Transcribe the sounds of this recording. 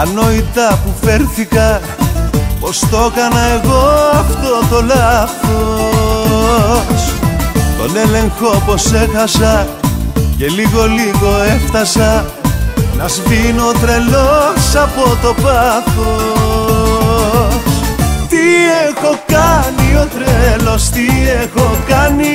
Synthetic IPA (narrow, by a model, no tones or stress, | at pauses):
ɐno̞it̪ɐpufe̞ɾθikɐ | po̞st̪o̞kɐnɐe̞ɣo̞ɐft̪o̞t̪o̞lɐθo | st̪o̞̰nele̞ŋxo̞po̞sexɐsɐ | ce̞liɣo̞liɣo̞e̞ft̪ɐsɐ | nɐzvinot̪ɾe̞losɐpo̞t̪o̞pɐθo | st̪iexo̞kɐnio̞t̪ɾelost̪iexo̞kɐni